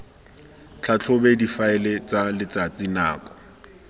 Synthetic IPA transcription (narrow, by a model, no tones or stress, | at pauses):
t͡ɬʰat͡ɬʰʊbedifaɪlet͡sʼalɪt͡sʼat͡sʼina̰ːkʼɔ̥